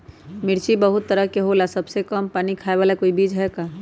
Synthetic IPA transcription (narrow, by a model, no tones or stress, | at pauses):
mɪɽt͡ʃibəɦʊt̪ːəɾəɦkeɦolasɐbsekəmpaːnikʰaːeʋaːlakoːibiːd͡ʒɦɛkaː